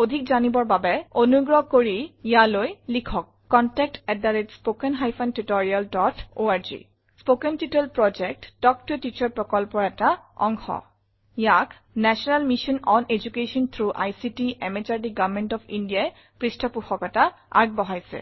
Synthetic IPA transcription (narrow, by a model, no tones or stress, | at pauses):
od̪ʱikzanibɔɹbabɛonuɡɹɔɦkoɹijalojlikʰɔkːɔntɛk̚tɛdaɹetspokɛnɦajfʰantutɔɹialdɔtʰoaɹd͡ʒḭ | spokɛntitelpɹɔd͡ʒɛk̚td̥ɔk̚tutit͡ʃɔɹpɹɔkɔlpɔɹɛtaɔ̰ŋxɔ̰ | jak | nɛsɔnalmiʃɔnɔnʔed͡ʒukeʃɔnt̪ʰɹuʔajsitiʔɛmet͡ʃaɹdiɡavmɛntɔfindijaj | pɹistʰɔpuxɔkɔta | a̰ɹɡ̚bɔɦajsɛ̰